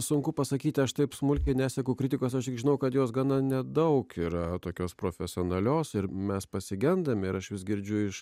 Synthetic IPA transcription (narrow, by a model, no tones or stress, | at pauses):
sʊŋkʊpɐsɐkʲiːt̪ʲɪɐʃt̪ɐɪpsmʊlʲkʲɛɪnʲæːsʲɛkʊːkɾʲɪtʲɪkoːsɐʃt̪ʲɪkɡʒʲɪnɐʊkɐt̪joːsɡɑːnɐnʲɛd̪ɐʊkiːɾɐt̪oːkʲoːspɾoːfʲɛsʲɪoːnɐlʲoːsɪɾmʲɛspɐsʲɪɡʲɛnd̪ɐmʲɪɾɐʃʋʲɪsɡʲɪɾʲd͡ʒʲʊɪʃ